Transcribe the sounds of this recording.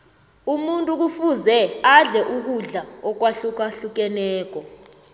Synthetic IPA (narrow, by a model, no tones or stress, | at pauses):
umuntʼuk̬ufuzɛaɮɛʔuk̬uɮaɔk̬waɬuk̬aɬuk̬ɛnɛːk̬ɔ